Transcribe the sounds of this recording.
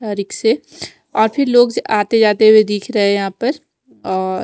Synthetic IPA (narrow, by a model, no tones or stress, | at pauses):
aːɾiːkse | ɔːɾpʰɪɾloːɡaːt̪ed͡ʒaːt̪eɦuwed̪iːkʰɾɐɦejɐɦãpɐɾ | ɔː